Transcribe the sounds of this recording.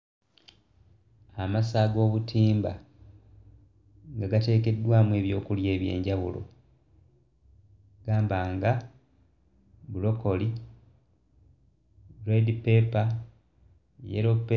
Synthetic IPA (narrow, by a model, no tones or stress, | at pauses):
amasaːɡo̞ːβutʰiːmba̰ | ŋɡaɡate̞ːke̞dːwaːmue̞ːβjo̞̰ːkulje̞ːβje̞̰ːɲɟaβṵlo̞̰ | ɡ̥aːmbaːŋɡa | bulo̞ko̞li | ɾedipe̞pa | jḛɾop